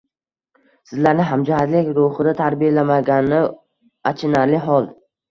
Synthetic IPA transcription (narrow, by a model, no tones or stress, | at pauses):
sɪzlaɾnɪɦamd͡ʒahat̪lɪkʲɾʊhɨd̪at̪ʰaɾbijalamaɡʲanɪ | at͡ʃʰɪnaɾlɪɦɒlˠ